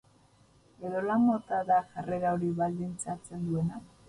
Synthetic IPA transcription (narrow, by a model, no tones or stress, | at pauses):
e̞ðo̞lamo̞t̪aðaʝareɾawɾiβald̪int͡sat͡se̞nd̪ue̞na